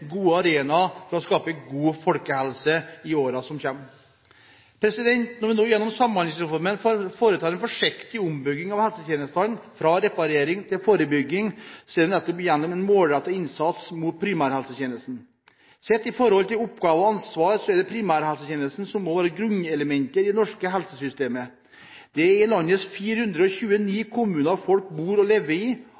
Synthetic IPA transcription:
ɡuːəɑɾeːnɑfɔɾɑɔskɑːpəɡuːfɔlkəhɛlsəɪoːɾɑsɔmçɛmː | pʰɾɛsɪd̪ɛnt̪nɔɾʋɪnoːjɛnːɔmsɑmːɑnɪŋsɾɛfɔɾmənffoːɾət̪ʰɑːɾɛnfɔʂɪkt̪ɪʊmbʏɡːɪŋɑʋhɛlsət̪ʰjeːnəst̪ɑnfɾɑɾɛpɑɾeːɾɪŋt̪ʰɪlfoːɾəbʏɡːɪŋsɛlɔmnɛt̪ːɔpɪjɛnːɔmɛnmoːlɾɛt̪ːɔɪnsɑt̪smut̪̚pʰɾɪmæːɾhɛlsət̪eːnəlsn̩ | sɛt̪ːɪfɔɾhɔlt̪ɪlʊpɡɑːʋɔɑnsʋɑːɾsɔɛɖɛpʰɾɪmæːɾhɛlsəçeːnəlsn̩sɔmːɔʋæːɾəɡɾʉnːɛləmɛnt̪əɾɪd̪ɛnɔʂkəɦɛlsəsʏst̪eːmə | d̪̥ɛɪlɑnːəsfiːɾəhʉnd̪ɾəɔçʉːəniːkʰʊmʉːnəɾfɔlkbuːɾɔleːʋəɾiː

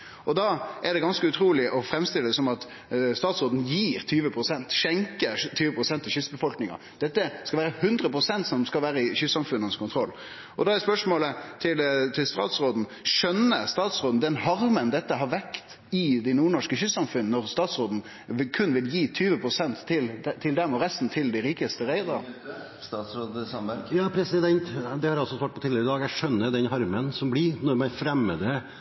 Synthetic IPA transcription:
ɔd̪ɑːʔɛd̪ɛɡɑnskəʉt̪ʰɾuːlɪʔɔfɾɛmst̪ɪləd̪əsɔmɑt̪ | st̪ɑːt̪sʁoːd̪n̩jiːɾt̪ʰyːʋəpʰɾʊsɛnt̪ʂɛŋkət̪ʰyːʋəpʰɾʊsɛnt̪ʰːɪɕʏsbəfɔlknɪŋɑ̰ | d̪̥ɛt̪ːəskɑʋæːɾəhʉnd̪ɾəpʰɾʊsɛnt̪sɔmd̪ɔmskɑlʋæːɾəɪçʏsːɑmfʉnːənskʰʊnt̪ʰɾɔlː | ʔɔd̪ɑɛspœʂmoːlət̪ʰɪlt̪ʰɪlst̪ɑ̰ːt̪sɾoːd̪n̩ʂœnːəst̪ɑːt̪sɾoːd̪n̩d̪ɛnhɑɾmənd̪ɛt̪ːəɦɑɾʋɛkt̪ | ɪd̪æɪnuːɳɔʂkəçʏsɑmfʉnnɔɾst̪ɑːt̪sɾoːd̪n̩ | ɪkʰʉnːʋɪljiːt̪ʰyːʋəpʰɾʊsɛnt̪ʰːɪld̪t̪ʰɪld̪ɛmɔɾɛst̪n̩t̪ʰɪld̪æɪɾiːkəst̪əɾæɪd̪əɾ̰ | st̪ɑt̪sɾoːd̪sɑmjɑːpʰɾɛsɪd̪ɛnt̪d̪ɛhɑɾɑlsɔsʋɑːʈ̚pɔt̪iːd̪əɾɪd̪ɑːɡæʂœnːəd̪ɛnɦɑɾmənsɔmblɪɾnɔɾmæɪfɾɛmːəd̪ɛ

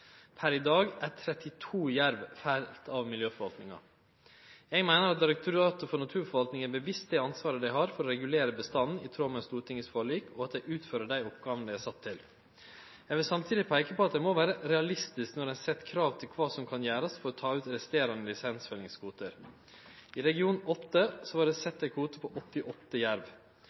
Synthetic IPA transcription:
pʰæɾɪd̪ɑːɡæt̪ʰɾɛt̪ɪt̪ʰuːjæɾʋfæɪllt̪ʰɑʋmɪljøːfɔɾʋɑlt̪nɪŋɑ̰ | jɛɡmæɪnəɾɑt̪̚d̪ɪɾɛk̚t̪ʰʊɾɑːt̪ʊfɔɳɑt̪ʰʉːɾfɔɾʋɑlt̪nɪŋæɾbəʋɪst̪d̪ɛɑnsʋɑːɾəd̪æɪɦɑɾfɔɾɔɾɛɡʉleːɾəbəst̪ɑn̩ɪt̪ʰɾoːmənst̪uːɾt̪ʰɪŋəsfoːɭiːkʰɔɑt̪̚d̪æɪʔʉːt̪føːɾəɖæɪɔpɡɑːʋnd̪ɪæsɑt̪ʰːɪl | jæɡʋɪlsɑmt̪ʰiːd̪ɪpʰæɪkəpɔːɑt̪̚d̪æɪmoʋæːɾəɾɛɑlɪst̪ɪsknɔɾɛɪsɛt̪ːkʰɾɑːʋt̪ʰɪlkʰʋɑːsɔmkʰɑnjæːɾɑsfɔɾɔt̪ʰɑːʉːt̪ɾɛst̪eːɾɑnəlɪsɛnsfɛlɪŋskʰuːt̪əɾ | iɾɛɡɪuːnɔt̪ːəsɔʋɑɖɛsɛt̪̚d̪æɪkʰuːt̪əpʰɔʔɔt̪ːɪʔɔt̪ːəjæɾʋ

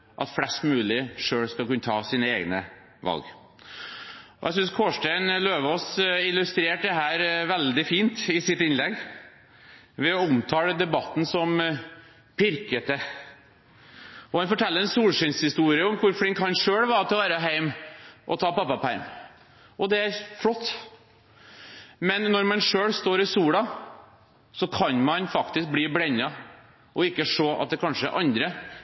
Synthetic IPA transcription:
ʔɑ̰t̪fɽɛst̪mʉːlɪʂøːɽskɑlkʉnːət̪ʰɑːsiːnəḛːɡnə̰ | ʋɑ̰lɡ | ʔɔ̰ʔɛ̰sʏnskʰoːʂʈæɪnløːʋɔsɪlʉst̪ɾeːʈ̚d̪ɛɦæːɾʋɛld̪ɪfiːnt̪ɪsɪt̪ɪnlɛɡ | ʋɛɔʊmt̪ʰɑːləd̪ɛbɑt̪ːn̩sɔm | pʰɪɾkət̪ə | ɔhɑnfɔʈʰɛlːəɾɛnsuːlʂɪnshɪst̪uːɾɪəɔmkʰʊɾfɽɪŋkhɑnʂøːɽʋɑːɾt̪ɪɔʋæːɾəɦæɪmʔɔ̰t̪ʰɑːpɑpːɑpʰæɾm | ʔɔd̪ɛæɾfɽɔt̪ː | mɛnːɔɾmɑnʂøːɽst̪oːɾɪsuːɽɑ | sɔkʰɑnmɑnfɑkt̪ɪsk̚bliːblɛɲːɑ | ʔɔɪkːəʂoːʔɑ̰t̪̚d̪ɛkʰɑnʂə̰ɾʔɑ̰nd̪ɾə

